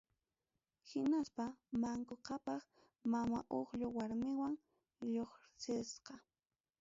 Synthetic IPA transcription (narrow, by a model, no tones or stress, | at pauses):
hɪnaspamaŋkoqɑpɑχ | mama̰ʔoχʎʊwaɾmɪwaŋ | ʎoχsɪsqɑ